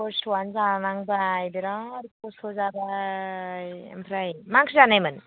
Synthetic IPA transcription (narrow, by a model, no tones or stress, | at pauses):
pɔstwanzamaŋbajbeɾaɾʰɔsɔzaba | jḛmpʰɾajmaŋsʰizanajmɯn